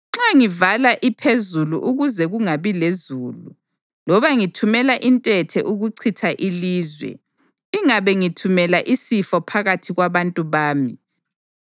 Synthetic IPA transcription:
ŋ͡ǁaŋivalaʔipʰezuluʔuɣuzɛɣuŋaβilezuːlu | lɔβaŋitʰumɛlaʔintʼɛtʰɛ̰ʔuɣuǀʰitʰaʔiliːzwɛ̰ | iŋaβɛŋitʰumɛlaʔisifɔpʰaɣatʰiɣwaβantʼuβaːmi

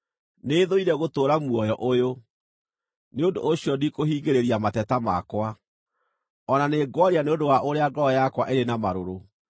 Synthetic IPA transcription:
neðoiɾɛɣotoːɾamuɔjɔʔojo | neondo̰ːɕiɔdikohiːɡeɾeɾiamatɛtamakwa | ɔnaneɡwaɾeaneondowaʔoɾeaɡɔjakwaʔeɾenamaɾoɾo

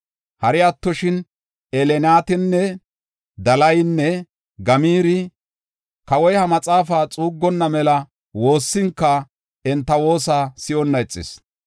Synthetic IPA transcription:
hɐɾɪɐt̪ːɔʃɪn | ɛlɛnaːt̪ɪnːɛ | d̪ɐlɐjnːɛ | ɡɐmiːɾɪ | kɐwɔjhɐmɐt͡sʼaːfaːt͡sʼuːɡːɔnːɐmɛlɐ | wo̞ːsːɪŋkːɐ | ɛnt̪ːɐwo̞ːs̬aːsɪʔɔnːɐɛt͡sʼːɪ̰s

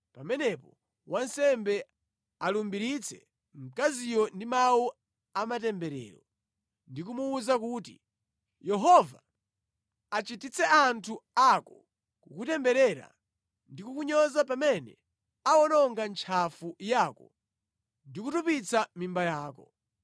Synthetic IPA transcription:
pamɛnɛpɔ | wansɛmbɛ | alumbiɾit͡sʰɛ | m̩kazijɔndimawu | amatɛmbɛɾɛ̰ːɾɔ | ndikumuuzakuːti | jɛɦɔvaː | t͡ʃitit͡sɛantʰuakɔ | kukutɛmbɛɾɛɾa̰ | ndikukuɲɔzap̬amɛnɛ̰ | awɔnɔŋɡant͡ʃʰafujaːkɔ | ndikutupit͡samimbajaːkɔ

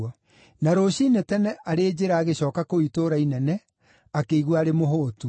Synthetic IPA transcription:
a | naɾoɕinetɛnɛʔaɾeːd͡ʑeɾaːɣeɕɔːkakoitoɾainɛnɛ | akeiɣwaaɾemoɦoːtu

